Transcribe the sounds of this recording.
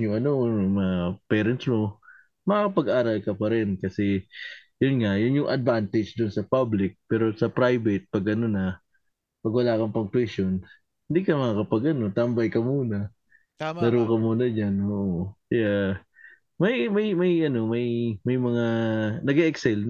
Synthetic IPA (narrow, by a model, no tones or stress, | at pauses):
jʊŋɐno̞mɐŋapɛːɾɐnt̪smo̞ | mɐŋaːkɐpɐɡʔaːɾɐlkɐpɐɾɛnkɐsɛjʊnŋɐjʊnjʊŋʔɐd̪̚vant̪ɪd͡ʒd̪ʊnsɐpablɪk̚pɛːɾo̞sɐpɾajbɛt̪̚pɐɡʔɐno̞nɐ | pɐɡwɐlaːkɐmpɐŋt̪wɛʃo̞n | hɪnd̪ikɐmɐŋaːkɐpɐɡɐno̞t̪ɐmbɐjkɐmuːnɐ | nɐɾuːkɐmuːnɐd͡ʒanʔoːʔoja | mɐjmɐjmɐjʔɐno̞mɐjmɐjmɐŋanɐɡɛʔɛksɛl